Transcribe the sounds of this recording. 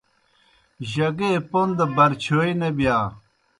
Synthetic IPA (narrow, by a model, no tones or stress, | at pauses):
ʑɐɡepond̪ɐbɐɾt͡ɕʰoːinɐbijaː